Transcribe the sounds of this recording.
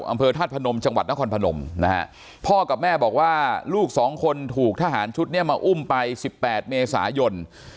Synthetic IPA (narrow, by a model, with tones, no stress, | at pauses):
ʔa̰˧mpʰɤː˧t̪ʰaː˥˩t̪̚pʰa˧no˧mt͡ɕa˧ŋwa˨˩t̪̚na˦˥kʰɔː˧npʰa˧no̰˧mna˦˥ha̰˦˥ʔ | pʰɔː˥˩ka˨˩p̚mɛː˥˩bɔː˨˩k̚waː˥˩luː˥˩k̚sɔː˩˦ŋkʰo˧nt̪ʰuː˨˩k̚t̪ʰa˧˩ɦaː˩˦nt͡ɕʰu˦˥t̪̚ni˥˩əmaː˧ʔu˥˩mpa˧jsi˨˩pːɛː˨˩t̪̚meː˧sa̰ː˩˦jo˧n